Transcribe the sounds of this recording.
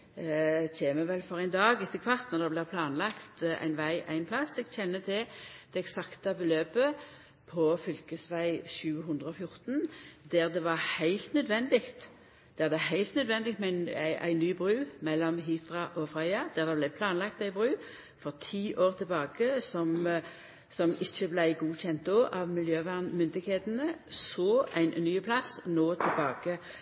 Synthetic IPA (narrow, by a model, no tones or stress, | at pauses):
çeːməʋɛlfɔʁæɪnd̪ɑːɡɪt̪ʰːəkʰʋɑʁt̪nɔʁd̪ɛblɪːpʰlɑːnlɑkt̪æ̰ɪnʋæɪʔæ̰ɪnpʰlɑsɛɡc͡çʰɛnːət̪ʰɪld̪̥ɛɛksɑkt̪ɑbəløːpə | pʰɔfʏlkəsʋæɪɕʉːəɦʊnd̪ʁəɔfjʊʁt̪nd̪æʁd̪ɛʋɑʁhæɪlt̪nœd̪ʋɛnd̪ɪkt̪ | d̪̥ɛd̪ɛɦæɪlt̪nœd̪ʋɛnd̪ɪt̪mæɪnʔæ̰ɪnyːbʁʉːmɛlːɔmɦɪt̪ʁɑʔɔfʁœɪɑd̪̥æʁd̪ɛblæpʰlɑːnlɑk̚t̪æɪbʁʉː | fɔʁt̪ʰiːʔoːʁt̪ʰɪlbɑːkəsɔm | sɔmɪçːəblæɪɡuːçɛnt̪̚d̪oːʔɑʋmɪljøːʋæʁnmʏnd̪ɪɡkheːt̪ənəsoːæɪnnyːpʰlɑsnoːt̪ʰɪlbɑːɡə